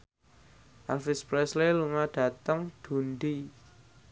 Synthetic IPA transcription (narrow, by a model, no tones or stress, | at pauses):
ʔalfɪspɾɛsleluŋaɖ̥ä̤t̪əŋd̪̥o̤nd̪i